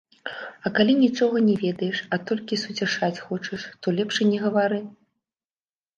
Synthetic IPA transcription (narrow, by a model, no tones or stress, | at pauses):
ɐkalʲinʲit͡ʂɔɣɐnʲɛvʲɛd̪ɐjɛʂɐt̪ɔlʲkʲisut͡sʲaʂat͡sʲxɔt͡ʂɐʂt̪ɔlʲɛpʂɨnʲɛɣɐvaɾɨ